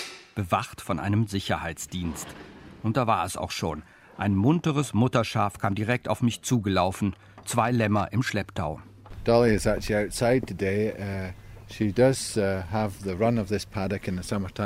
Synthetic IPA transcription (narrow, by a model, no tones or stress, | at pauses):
b̥əvaχtfɔnʔa̰ɪnəmzɪçɐhaɪt͡sd̥iːnstʔʊnt̚d̥aːvaːɐɛsa̰ʊxʃoːn | ʔaɪnmʊntəʁəsmʊtɐʃaːfkʰaːmdiʁɛk̚taʊfmɪçt͡suːɡəlaʊfn̩ | t͡sv̥aɪlɛmɐʔɪmʃlɛptʰaʊd̥ɔlˠiɪzak̚t͡ʃʉl̩ˠiaʊtsaɪd̚tʰəde | ʃidʌz̥əvðəɹʌ̃nəvðɪspʰadɨkɨ̃nðəsʌmə˞tʰã